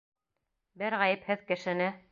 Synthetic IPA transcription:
bɘɾʁæjɘphɘðkɘ̆ʃɘ̆nɘ

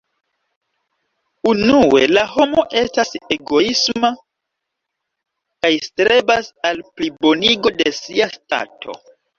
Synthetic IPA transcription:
unue̞̰laho̞mo̞ʔe̞stase̞ɡo̞isma | kajstɾe̞basalplibo̞niɡo̞de̞siasta̰tʰo̞̰

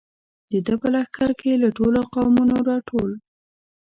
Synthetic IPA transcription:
d̪̥əd̪əpəlaxkaɾkelaʈoloqawmunoɾɑʈʰol

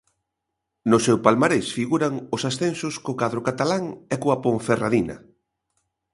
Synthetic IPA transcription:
nʊsewpalmaɾesfiɣuɾaŋʊsasθensʊskokaðɾokat̪alaŋɛkoapõɱferaðinɐ̰

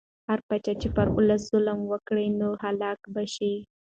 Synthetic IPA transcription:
haɾpat͡ʃat͡ʃepəɾʊlasz̥ʊlmwəkɽənohalɑkbaʃi

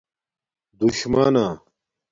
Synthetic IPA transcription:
d̪uɕmaːnaː

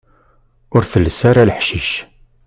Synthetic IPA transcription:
ʊɾθəlːəsaɾaləħʃiʃ

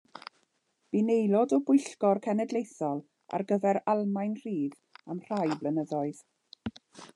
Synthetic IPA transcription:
b̥inejlˠɔdɔbʊjɬkɔrkʰɛnɛdlˠejθɔlˠ | a̰rɡəvɛɾalˠmajnr̥iːð | amr̥ajblənəðɔɨð̥

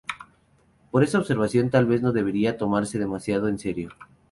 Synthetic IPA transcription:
po̞ɾe̞saoβ̥se̞ɾβasjo̞nt̪alβe̞zno̞ðe̞βe̞ɾiat̪o̞maɾse̞ð̞e̞masjaðoense̞ɾjo̞

